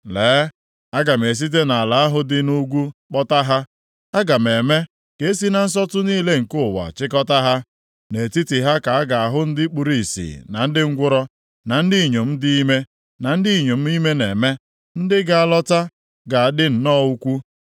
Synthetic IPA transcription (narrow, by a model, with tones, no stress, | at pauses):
leː˨˦ | a˦ɡa˨me˨s̬i˦t̬e˦na˨a˨la˨a˦ɦʊ˦dɪ˦nu˦ɡʷu˦k͡pɔ˦ta˦ɦa˦ | a˦ɡa˨m˨e˨me˦ | ke˨˦e˦s̬i˦na˨n̩˦s̬ɔ˦tʊ˦niː˦le˦ŋ̩˨kʊ˦˨wa̰˨t͡ʃɪ˦kɔ˦ta˦ɦa˦ | ne˨ti˦ti˨ɦa˦ka˨a˦ɡa˨a˨ɦʊ˦n̩˦dɪ˦k͡pu˨ɾi˨sḭ˨na˨n̩˦dɪ˦ŋ̩˦ɡʷʊ˦ɾɔ˦ | na˨n̩˦di˦˨ɲo˨m̩˦dɪ˦i˦me˦ | na˨n̩˦di˦˨ɲo˨m̩˦i˦me˦ne˨me˦ | n̩˦dɪ˦ɡa˨a˨lɔ˦ta˦ | ɡa˨a˨dɪ˦n̩˨nɔ˦u˦kʷu˦